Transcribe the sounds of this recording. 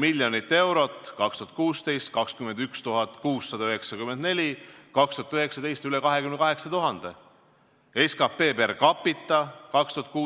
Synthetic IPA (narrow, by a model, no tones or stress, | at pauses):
miljonit̪ːe̞wɾo̞t̪ːˑkɑkst̪uhɑ̥t̪kuːst̪e̞jst̪̚kɑkskymend̪̥ykst̪uɦɑt̪ːˑkuːsːɑd̪̥ɑøɦeksɑkymend̪̥ne̞lʲikɑkst̪uhɑt̪yɦeksɑd̪e̞jst̪ylekɑɦe̞kymnkɑɦe̞ksɑt̪uɦɑnd̪̥e̞ | eskɑpːe̞ːperkɑpːˑit̪ːˑɑkɑkst̪uhɑt̪̚kuː